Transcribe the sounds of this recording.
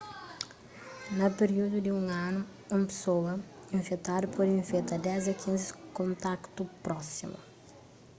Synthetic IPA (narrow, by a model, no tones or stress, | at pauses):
nɐpeɾiud̪ud̪iũŋanu | ũmpe̥sowɐ | ĩɱfet̪ad̪ɐpʰɔd̪ĩɱfet̪ad̪ɛzɐkʰĩnzikõnt̪akt̪upɾɔsḭmɐ̰